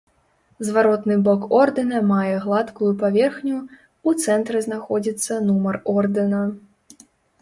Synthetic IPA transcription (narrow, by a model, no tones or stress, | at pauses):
zvaɾɔt̪nɨbɔkɔrd̪ɨnɐmajɛɣlˠat̪kujupavʲɛrxnʲu | ut̪sɛnt̪ɾɨznaxɔd͡zʲit̪sːɐnumɐrɔrd̪ɨnɐ